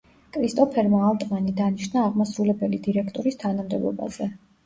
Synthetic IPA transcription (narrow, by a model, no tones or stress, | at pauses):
kʼɾist̪ʼɔpʰɛɾmaːlˠt̪ʼmanid̪aniʃnaːʁmasɾulɛbɛlid̪iɾɛkʰt̪ʼɔɾist̪ʰanamd̪ɛblˠɔ̰ba̰z̥ɛ